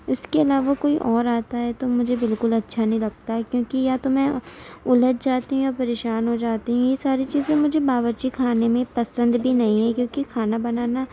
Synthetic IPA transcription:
ɪskeɐlaːʋakoːiʔɔːɾaːt̪aɦɛt̪omʊd͡ʒʱebɪlkʊlɐtːʃʰanɐɦĩlɐɡ̚t̪aɦɛkjõːkijat̪omɛ̃ʊlət̪̚d͡ʒaːt̪iɦũjɔɾpɐɾeːʃaːnɦod͡ʒaːt̪iɦũjesaːɾit͡ʃiːzẽmʊd͡ʒʱebaːʋət͡ʃikʰaːnemẽpɐsə̃nd̪bʱinɐɦĩɦɛkjõːkikʰaːnabɐnaːna

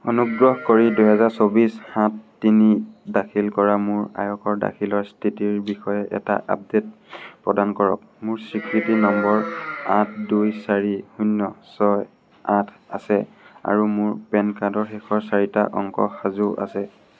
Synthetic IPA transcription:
ɔnuɡɹɔhkoɹiduɦɛzaɹsobishãtːinidakʰilkɔɹamʊɹa̰jɔkʰɔɹda̰kʰilɔɹstʰitiɹbixɔjɛʔɛ̰ta̰ʔa̰p̚det̚pɹɔdankɔɹɔ̰k̚ | mʊɹsikɹitinɔmbɔɹat̚ʰdujsaɹihunːɔsɔj | atʰ | a̰sɛ | a̰ɹumʊɹpɛnkadɔɹxɛkʰɔɹsaɹita̰ʔɔ̰ŋkɔ̰xazuʔa̰sɛ

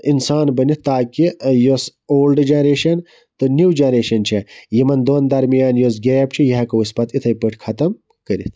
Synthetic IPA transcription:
insaːnbɐnit̪t̪aːkijosoːlɖd͡ʒɐnɾeːʃɐn | t̪onuwd͡ʒɐnɾeːʃɐnt͡ʃʰejimɐnd̪oːnd̪ɐɾmijaːnjos̬ɡeːjb̚t͡ʃʰijɐɦɐkɐuspɐt̪ʰit̪ʰɐjpɨʈʰkʰɐt̪ɐm | kɐɾḭt̪ʰ

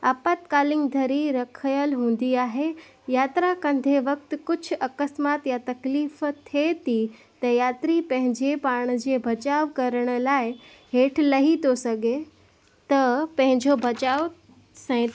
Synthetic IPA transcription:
ɐpət̪kaːlɪ̃ŋɡd̪ʱɐɾiɾɐkʰəjəlɦũːn̆d̪iaːɦe | jaːt̪ɾakɐ̃nd̪ʱeʋɐk̚t̪̆kʊd͡ʑʱʊ̆ʔɐkəsmaːt̪jat̪ɐkliːft̪ʰet̪i | t̪ɐjaːt̪ɾipɐ̃ɦɪ̃ɲd͡ʑepaːɽ̃̆d͡ʑeːbʱɐt͡ɕaːʋkɐɾəɽ̃ʊ̆laːɪ | ɦeːʈʰlɐɦit̪osɐɡʱe | t̪ɐpɐ̃ɦɪ̃ɲd͡ʑobʱɐt͡ɕaːo | sɛ̃

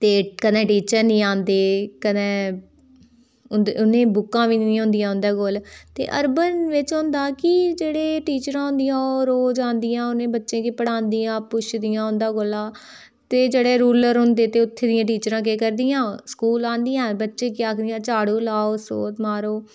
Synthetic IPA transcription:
t̪eːkəd̪ẽːʈiːt͡ʃəɾnĩːãːnd̪eːkəd̪ẽː | ʊnd̪ʊnẽːbʊkːãːʋiːnĩːɦõnd̪ɪjãːʊ̃nd̪aːɡoːlt̪ḛːʔəɾbənʋɪt͡ʃɦõnd̪aːkɪd͡ʒeːɽeːʈiːt͡ʃɾãːɦʊ̃nd̪ijãːɾoːd͡ʒãːnd̪ɪjãːʊnẽːbətːʃẽːkɪpəɽãːnd̪ijãːpʊʃd̪ɪjãːɦʊ̃nd̪aːɡolaː | t̪eːd͡ʒeːɽeːɾuːləɾɦʊnd̪eːt̪eːʊt̪ʰːeːd̪ɪjãːʈ̬iːt͡ʃɾãːk̬eːkəɾd̪ɪjãːskuːlãːnd̪ijãːbətːʃẽːkɪjaːkd̪ijãːt͡ʃaːɽoːlaːoːso̰ːt̪maːɾoː

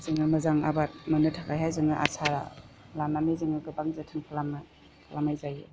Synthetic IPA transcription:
zɯŋɯmɐzaŋa̰bat̚mɐnɯtʰakajhajzɯŋɯʔa̰sʰaɾa̰ | lamnameziŋɯɡɯbaŋzatʰɯŋpʰalam | kʰlamajzaj

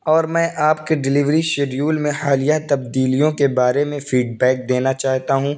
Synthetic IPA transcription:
ɔːɾmɛ̃ːʔaːpkeɖɪlɪʋɾiʃeɖjuːlmẽhaːlɪjat̪ɐb̚d̪iːlijõkebaːɾemẽfiːɖbɛːk̚d̪eːnat͡ʃaːɦt̪aɦũː

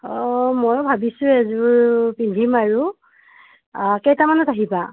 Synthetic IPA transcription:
ɔmɔjbʱabisʊɛzuɹpindʱimaɹu | kɛjtamanɔtaɦiba

